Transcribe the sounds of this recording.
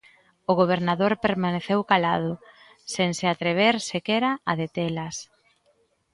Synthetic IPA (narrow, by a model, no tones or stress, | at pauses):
ʊɣoβ̞eɾnaðoɾpeɾmaneθewkalað̞ʊ | senseat̪ɾeβ̞eɾsekeɾaaðet̪elas